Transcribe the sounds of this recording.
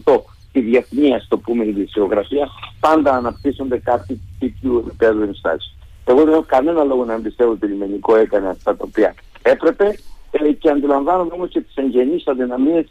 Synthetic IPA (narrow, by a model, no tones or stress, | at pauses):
t̪o̞ | t̪iðjeθniɐst̪o̞pumet̪iðiseoɣɾɐfiɐpand̪ɐːnɐpt̪isond̪ekat̪it̪ip̪juepipeðuenst̪a̰si̥ | eɣoðeokɐne̞nɐlo̞ɣonːnd̪ist̪evot̪ilimeniko̞ekɐneaft̪ɐt̪oopiɐ̰ | e̞pɾe̞pe̞ceɐnd̪ilɐɱvanomemoscet̪i̥seɲɟenisɐðinɐmie